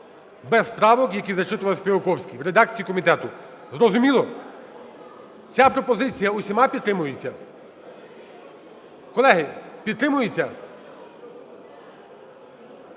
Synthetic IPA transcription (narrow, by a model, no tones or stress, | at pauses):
bɛspɾɑʋɔkjɐkʲizɐt͡ʃɪt̪ʊʋɐlˠsʲpʲiʋokɔwsʲkʲiʋɾed̪ɑk̚t͡sʲijikɔmʲit̪ɛt̪ʊ | zɾɔzʊmʲilˠɔ | t͡sʲapɾɔpɔzɪt͡sʲijɐʊsʲimɑpʲid̪t̪ɾɪmʊjet͡sʲːɐ | kɔlˠɛɦɪpʲid̪t̪ɾɪmʊjet͡sʲːɐ